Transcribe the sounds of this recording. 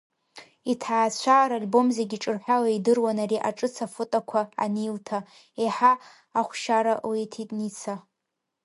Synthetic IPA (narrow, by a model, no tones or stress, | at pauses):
itʰaːt͡ɕʷʰaɾalbo̞mzeɡʲiʈ͡ʂʼɨrħʷᶣawaidɨrwanaɾiʔaʈ͡ʂʼɨt͡sʰafɨtʼakʷʰa̰ːniltʰa | eħaː | χʷʃaɾaletʰitʼnit͡sʰa